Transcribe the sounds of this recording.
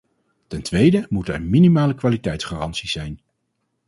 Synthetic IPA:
tɛntʋejdəmutɛ̰ɹminimaːləkʋaːlitɛjtsχaːrɑntsizɛjn

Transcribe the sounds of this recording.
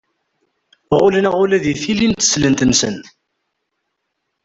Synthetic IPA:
ʁʊlənæʁʊlæðiθilint̪ːə̥slənt̪ənsə̰n

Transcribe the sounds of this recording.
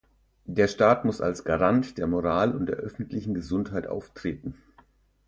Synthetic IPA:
d̥eːɐʃtaːtmʊsa̰lsɡ̥aʁantd̥eːɐmoʁaːlʊnt̚d̥eːɐʔœfn̩tlɪçn̩ɡəzʊnthaɪtʔa̰ʊftʁ̥eːtn̩

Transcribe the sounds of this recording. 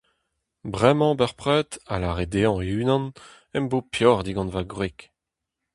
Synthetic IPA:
bʁɛmɑ̃bœʁpʁœːt̪a̰laʁed̪eɑ̃eyːnɑ̃n | ɛmbopjɔʁd̪iɡɑ̃nvaɡʁik

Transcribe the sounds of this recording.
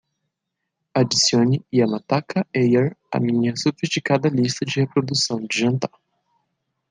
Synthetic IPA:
ad͡ʒisiõniiamat̪akʰɐejaɾɐ̰mĩɲɐsofist͡ʃikad̪ɐlist̪ɐd͡ʒɪhepɾod̪usɐ̃w̃d͡ʒɪʒɐ̃nt̪aɾ

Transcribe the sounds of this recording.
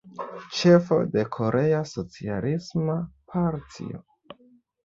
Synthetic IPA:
t͡ʃe̞fo̞̰de̞kʰo̞ɾʔe̞aso̞t͡sia̰lismapʰaɾtḭo̰

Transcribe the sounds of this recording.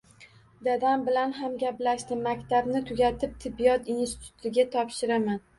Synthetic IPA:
d̪ad̪ambɪlanɦamɡʲaplaʃd̪ɪmːakʲt̪ʰabnɪt̪ʰʊɡʲat̪ʰɪp̚t̪ʰɪbːijɒt̪insɪt̪ʰʊ̥t̪ʰɪɡʲat̪ʰɒpʃɪɾaman

